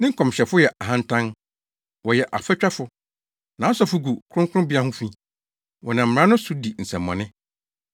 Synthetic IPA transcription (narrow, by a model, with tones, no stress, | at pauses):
nɪ̃˦ŋ̩˦kʰɔ̃˨mɕɛ˨fʊ˦jɛ˨ʔa˨ɦã˦n̩˦tʰã˦n | wɔ˨jɛ˨ʔa˨fɛ˦t͡ɕᶣa˦fʊ˨ | nã˨˦sɔ˨fʊ˨ɡu˨kʰʊ̃˦ŋkʰʊ˦ʊ̃˦bi˦a˦hʊ̃˦fĩ˦ | wɔ˨nã˨m̩˨ã˦nʊ̃˦su˨di˨n̩˨sɛ̃˨mːɔ̰̃˨nɪ̃˦